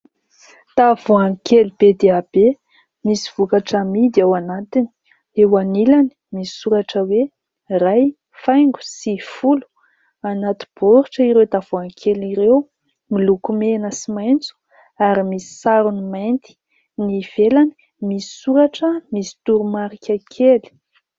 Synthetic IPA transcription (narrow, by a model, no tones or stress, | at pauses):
t̪avuaŋkʰelub̥ed̪eab̥e | misi̥v̥ukaʈ͡ʂamid̪iawanat̪ini̥ | ewanilani̥misi̥suɾaʈ͡ʂəwe | raj | fajŋɡu̥sifulu̥ | anat̪i̥b̥oɾiʈ͡ʂəiɾewd̪av̥oaŋkʰeliɾew | milukumenəsimajnt͡su̥ | aɾimisi̥saɾunimajnt̪i̥ | niv̥elani̥ | misi̥suɾaʈ͡ʂəmisi̥t̪uɾumaɾikʲəkʰeli̥